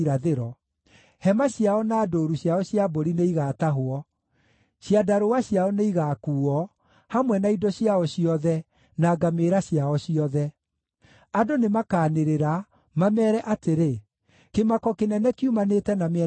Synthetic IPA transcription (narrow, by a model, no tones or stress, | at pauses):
ɾaðeɾɔ | hɛmaɕjaɔnaːdoːɾuɕjaɔɕjaboɾineiɣaːtaɦwɔ | ɕiadaɾowaɕjaɔneiɣaːkuːɔ | hamwɛnaidɔɕjaɔɕiɔðɛ | naːɡameɾaɕjaɔɕiɔðɛ | adonemakaːneɾeɾa | mamɛːɾɛʔateɾe | kemakɔkenɛnɛkiumanetɛnameɛ